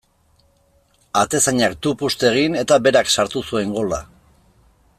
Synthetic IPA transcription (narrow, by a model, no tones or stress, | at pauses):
at̪e̞saɲakt̪upust̪e̞ɣ̞ine̞t̪abe̞ɾaksaɾt̪usue̞ŋɡo̞la̰